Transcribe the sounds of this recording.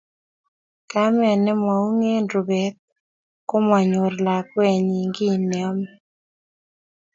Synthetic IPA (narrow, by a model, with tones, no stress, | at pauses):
ka˦mɛ˨nɛ˦ma˨u˦ŋe˦ndo˨bɛ˨˦t̪̚ | ko˦ma˨ɲo˨ɾla˨kwɛ˦˨ɲi˨ŋɡi˦˨nɛ˨ɔ˦m